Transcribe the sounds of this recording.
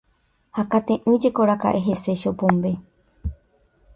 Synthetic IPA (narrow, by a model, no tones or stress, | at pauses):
hakat̪ẽʔɨ̃d͡ʒekoɾaka̰ʔeɦe̞seʃopõmbe